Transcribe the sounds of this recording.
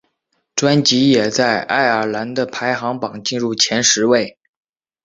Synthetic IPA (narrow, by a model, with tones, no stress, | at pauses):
ʈ͡ʂwa˥nt͡ɕi˧˥jɛ˨˩t͡sa˥˧ɪʔa̰˥˩ɪə˞˨˩la˧˥nd̪ə˧pʰa˧˥ɪxɑ˧˥ŋpɑ˨˩ŋt͡ɕi˥˧nɻu˥˩t͡ɕʰjɛ˧˥nʂɻ̩˧˥we˥˩ɪ